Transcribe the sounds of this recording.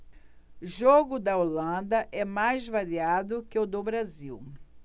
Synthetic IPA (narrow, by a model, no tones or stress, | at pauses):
ʒoɡʊd̪ɐolɐ̃d̪ɐʔɛmajzvaɾiad̪ʊkɪʊd̪obɾaziw